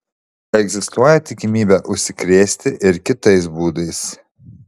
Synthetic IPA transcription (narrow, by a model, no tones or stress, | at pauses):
ɛɡzʲɪst̪uɔjɛt̪ʲɪkʲɪmʲiːbʲɛʔʊʃʲsʲɪkɾʲeːsʲt̪ʲɪʔɪɾkʲɪt̪ɐɪs̬buːd̪ɐɪs